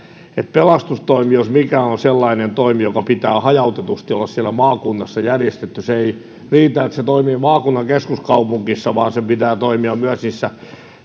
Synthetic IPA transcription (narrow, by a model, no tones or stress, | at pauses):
et̪̚pelɑst̪ust̪oimijosmikæːonselːɑinent̪oimijokɑpit̪æːhɑjɑut̪et̪ust̪iolːɑssiælæmɑːkunːɑsːɑjærjest̪et̪ːyseei | riːt̪ˑæːet̪set̪oimiːmɑːkunːɑŋkeskuskɑupuŋkisːɑʋɑːnsempit̪æːt̪oimiɑmyæsnisːæ